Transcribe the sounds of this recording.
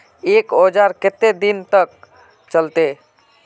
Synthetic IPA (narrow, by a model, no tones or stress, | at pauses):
ekod͡ʒaɾket̪ːed̪int̪ək̚ | t͡ʃəlt̪e